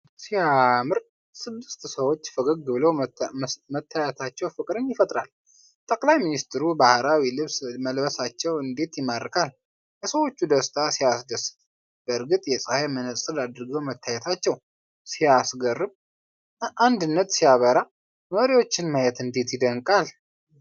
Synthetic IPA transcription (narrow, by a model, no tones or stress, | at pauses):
siamɨɾ | sɨd̪ːɨst̪səwo̞t͡ʃːfəɡəɡːɨbɨlow | mət̪ʰːajɛt̪ʰat͡ʃːɛwfɨkʼɾɨnjɪfət̪ʼɾa̰l | t̪ʼəkʼlajminist̪ɾubahɾawilɨβsməlbəsat͡ʃːɛwɨnd̪e̞t̪jɪmːad̪kʰʼal | jɛsəwo̞t͡ʃːud̪əst̪ʼʰasijasd̪əst̪ʼ | b̥əɾɡɨt̪ʼjɛsʼəhajmənəsʼɨlad̪ɾɨɡəwmət̪ʰːajɛt̪ʰat͡ʃːɛw | sijasɡərːɨb | ʔand̪ɨnːət̪sijaβəɾa | məɾiwo̞t͡ʃːɪnməjɛt̪ɨnd̪e̞t̪jɪd̪əŋkʼal